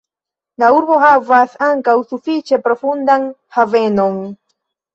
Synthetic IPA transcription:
nauɾboxavasaŋkawsufit͡ʃepɾofund̪aŋhavenoŋ

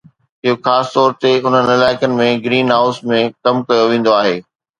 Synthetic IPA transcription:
ɪɦoxaːsɪ̥t̪ɔːɾt̪eʊn̤ənɪlaːɪkənɪ̆mẽɡɾiːnɦaːʊsmẽkɐmkɐjoʋẽːn̆d̪oaːɦeː

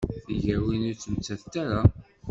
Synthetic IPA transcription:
θiʝəɾwinæt͡sːəmt͡sːæθt̪aɾa

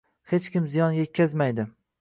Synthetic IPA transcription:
het͡ʃkʲɪmzijɒnje̞t̪̚kʲazmajd̪ɪ

